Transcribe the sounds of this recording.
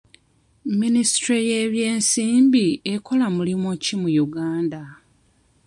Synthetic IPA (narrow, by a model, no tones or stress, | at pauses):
ministɾejeːβje̞ːnsiːmbieko̞lamulimocimujuɡaːnda